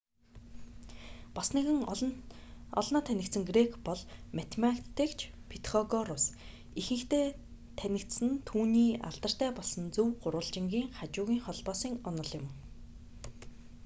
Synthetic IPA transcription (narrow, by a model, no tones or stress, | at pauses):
pasneɣɘ̆ŋ | ɔ̰ɮnɔːt̪ʰænʲɪ̆kt̪sɘ̆ŋɡrekʰpɔɮmat̪ʰmakt̪ʰekt͡ɕʰpʰit̪χɔɣɔɾʊs | ixɘ̆ŋkt̪eː | t̪ʰænʲɪ̆kt̪sɘ̆nt̪ʰuːniːa̰ɮt̪ə̆r̥t̪æːpɔɮsɞ̆nt͡sɵwɢʊɾwə̆ɮt͡ɕɪ̆ŋɡʲiːŋχat͡ɕʊːɣʲiːŋχɔɮpɔːsiːŋɔnɞ̆ɮʊ̆m